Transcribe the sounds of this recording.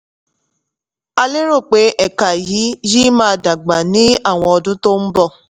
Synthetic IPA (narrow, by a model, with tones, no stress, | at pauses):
a˧le˦ɾo˦˨k͡pe˨˦ʔɛ˨ka˨jiː˨˦ji˦mãː˦˧da˨ɡ͡ba˨nĩ˦a˦˨w̃ɔ̃˧ɔ˧dũ˦to˦n̩˦bɔ˦˨